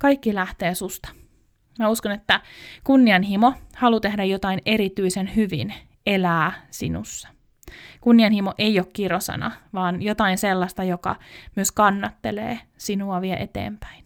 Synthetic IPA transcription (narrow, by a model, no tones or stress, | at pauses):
kɑikːilæht̪eːsust̪ɑ̥ | mæuskonet̪ːækunːiɑnɦimohɑlut̪ehdæjot̪ɑineɾit̪yisenhyʋḭn | elæːsḭnṵsːɑ̥ | kunːiɑnhimoʔeiokkirosɑ̰nɑ̰ʋɑːnjot̪ɑinselːɑst̪ɑjokɑ̰myøskɑnːɑt̪ːe̞lḛːsinuɑʋiɛʔe̞t̪ḛːmpæ̥in